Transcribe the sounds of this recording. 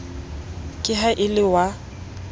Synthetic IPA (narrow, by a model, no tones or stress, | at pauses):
kʼɪɦaʔɪlɪwa